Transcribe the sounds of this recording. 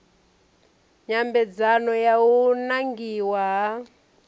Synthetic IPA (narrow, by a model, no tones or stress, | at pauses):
ɲambɛd͡zanɔjaunaŋɡiwaɦa